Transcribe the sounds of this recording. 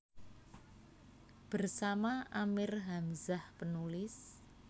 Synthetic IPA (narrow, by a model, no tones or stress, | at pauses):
b̥ərsamaʔamɪrɦamzahpənulɪs